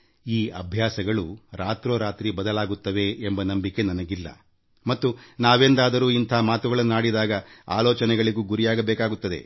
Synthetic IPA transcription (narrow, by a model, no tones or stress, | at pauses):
iːɐbʱjaːsɐɡɐɭuɾaːt̪ɾoːɾaːt̪ɾibɐd̪ɐlaːɡut̪ːɐʋe̞ːmbɐnɐmbike̞nɐnɐɡilːɐ̰ | mɐt̪ːunaːʋeːnd̪aːd̪ɐɾuːint̪ʰɐɦːmaːt̪uɡɐɭɐnːnaːɽid̪aːɡɐa̰ːloːt͡ʃɐnɛɡɐɭiɡuːɡuɾijaːɡɐbɛːkaːɡut̪ːɐd̪e̞̰